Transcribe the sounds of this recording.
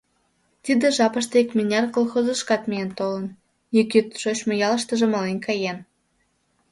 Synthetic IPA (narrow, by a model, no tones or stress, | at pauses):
t̪ʲid̪ĕʒɑpəʃt̪ɤekmʲinʲɑrkolˠxozə̆ʃkɑt̪mejent̪olə̆n | jykʲyt̪ʃot͡ɕmojɑləʃt̪ə̆ʒĕmɑlenʲkʰɑjen